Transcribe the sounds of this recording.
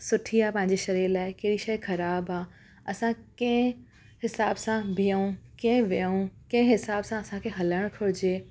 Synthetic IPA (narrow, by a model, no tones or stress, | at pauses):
sʊʈʰiaːpɐ̃ɦɪ̃ɲd͡ʑeʃɐɾiːɾlaːɪkɐɦɪɾiʃɐjxɐɾaːbaː | ɐsãkɐ̃ɪ̃ | hɪsaːbsãbʱijəũkɐ̃ɦɪ̃ʋijũkɐ̃ɪ̃ɦɪsaːbsãɐsãkʰeɦɐləɽ̃kʰʊɽɪd͡ʑeː